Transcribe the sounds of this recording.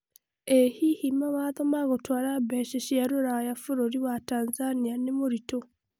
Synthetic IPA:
ehihimawaːðomaɣotwaːɾabeʃeʃiaɾoɾajafuɾoɾiwataːnzanianemoɾito

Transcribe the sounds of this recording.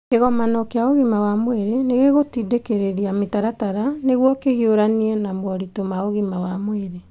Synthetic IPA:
eɣɔmanɔkeaoɣimawamoeɾeneɣeɣotidekeɾeɾiametaɾataɾaneɣwɔkehioɾaniɛnamwɔɾitomaoɣimawamoeɾe

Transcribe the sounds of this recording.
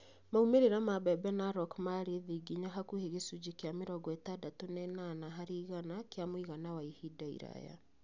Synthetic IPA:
maumeɾeɾamabɛbɛnaɾɔkmaɾeðiɡiɲaɦakuheɣesud͡ʒikeameɾɔɡɔɛtadatonɛnaːnaɦaɾeiɣanakjamoiɣanawaihidaḭɾa̰ja̰

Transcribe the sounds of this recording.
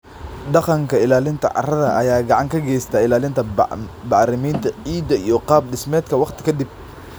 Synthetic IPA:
ɖɑqɑŋkʰɐɪlaːlɪnt̪ʰɐ̰ʕɑ̰rɐðɐʔɐ̰jaːɡɑʕɑŋkʰɐɡɛjst̪ʰaːɪlaːlɪnt̪ʰɐbɑʕɾɪmiːnt̪ʰɐʕiːd̪ɐijɔqɑːb̚ɖɪsmɛːd̪kʰɐwɑqt̪ʰɪ̥kʰɐd̪ɪb̚

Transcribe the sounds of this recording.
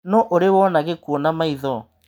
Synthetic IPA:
nɔʔoɾewɔnaɣekuonamaiðɔ

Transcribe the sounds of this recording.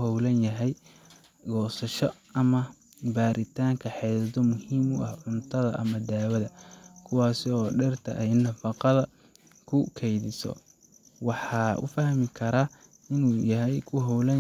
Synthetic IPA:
hɔwlɐnjɐɦɛj | ɡɔːsɐʃɔ | ɐmɐ | baːɾʔɪt̪ʰaːŋkʰɐħɛsɐd̪ɔmʊhiːmʊʔɐhʕʊnt̪ʰɐðɐ̰ʔɐmɐd̪aːwɐðɐkʰʊwɑːsɪɔːɖɛrt̪ʰɐ̰ʔɛjnɐfɑqɑðɐ | kʰʊkʰɛjðɪsɔ̰ | wɑħɑːʊ̰fɐhmɪkʰɐɾa | ɪnuːjɐɦɛjkʰʊɦɔwlɐ

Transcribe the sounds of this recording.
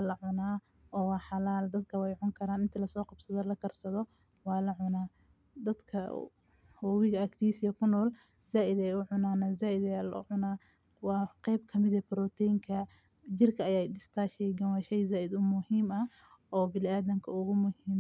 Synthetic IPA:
wɑlɐʕʊnaː | ɔːwɑːħɑlaːld̪ɐd̪kʰɐwɛjʕʊŋkʰɐɾaːnɪnt̪ʰɐlɐsɔːqɑbsɐðɔlɐkʰɐrsɐðɔ | wɑːlɐʕʊnaː | d̪ɐd̪kʰɐ̰ | hʊːwɪɣɐɐkt̪ʰiːsɪjɐkʰʊnɔːl | zaːʔɪd̪ɛjʊʕʊnaːnaːzaːʔɪd̪ɛjaːlɐʊ̰ʕʊnaː | wɑːqɛjbkʰɐmɪðɛbɪɾɔːt̪ʰɛjŋkʰɐ | d͡ʒɪrkʰɐːjaːjɖɪst̪ʰaːʃɛjɡɐwaːʃɛjzaːʔɪd̪ʊmʊhiːmɐ | ɔːbɪlɪaːðɐŋkʰɐʊɣʊmʊhiːm

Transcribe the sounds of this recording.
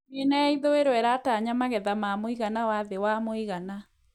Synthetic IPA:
menaiðoeɾoɛɾataɲamaɣɛðamamoiɣanawaðewamoiɣana

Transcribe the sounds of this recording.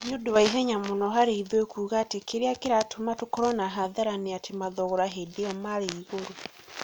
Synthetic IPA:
njodowaiɦɛɲamonɔɦaɾeiðwekʰuːɣatekʰeɾeakeɾatʰomatokɔɾɔnaɦaðaɾaneatemaðɔɣɔɾaɦedeamaɾeiɣoɾo

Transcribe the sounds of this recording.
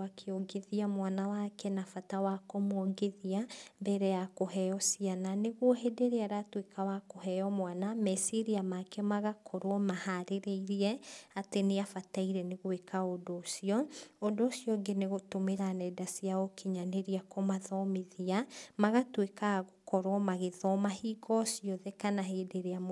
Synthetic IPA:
akʰeoɡeðiamwanawakʰɛnafatawakomooɡeðiambɛɾɛjakohɛjɔsiananeɣwɔɦedeɾeaɾatwekawakoɦɛjɔmwanamɛsiɾiamakɛmaɣakʰoɾwɔmahaɾeɾeiɾiɛateneafataiɾɛneɣwekʰaodoːsiɔodoːsiɔɡeneɣotomeɾanɛdasiaokʰiɲaneɾiakʰomaðɔmeðiamaɣatwekaɣokɔɾwɔmaɣeðɔmahiːɡɔsiɔðɛkanahedeɾea

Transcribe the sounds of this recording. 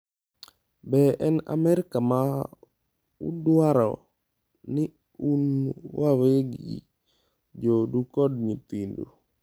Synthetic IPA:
bɛʔɛna̰mɛɾɪkama | ṵdwaɾɔ̰ | nɪ | unwaweɡḭ | d͡ʒodukɔdɲit̪indo̰

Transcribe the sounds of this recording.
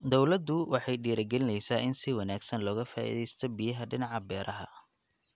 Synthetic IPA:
d̪ɔwlɐd̪ːʊwɑħɑjɖiːɾɐɡɛlɪnɛjsaːʔɪnsɪwɑnaːɡsɐnlɔːɣɐfa̰ːʔḭːðɛjst̪ʰɔbijɐɦɐɖɪnɑʕɑbɛːɾɐɦɐ̰

